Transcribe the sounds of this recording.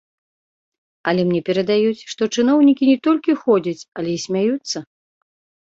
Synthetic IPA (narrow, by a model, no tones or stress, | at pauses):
ɐlʲɛmnʲɛpʲɛɾɐd̪ajut͡sʲʂt̪ɔt͡ʂɨn̪ɔwnʲikʲinʲɛt̪ɔlʲkʲixɔd͡zʲɐt͡sʲɐlʲɛisʲmʲajut̪sːɐ